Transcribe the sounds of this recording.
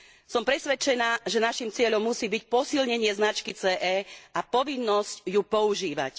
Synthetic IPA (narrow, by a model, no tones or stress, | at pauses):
sɔmpɾɛsʋɛt͡ʃɛnaːʒɛnaʃimt͡sɪɛʎɔmːusiːbic̚pɔsilɲɛɲɪɛznat͡ʃkit͡sɛːʔɛːʔapɔʋinːɔscjupɔuʒiːʋa̰c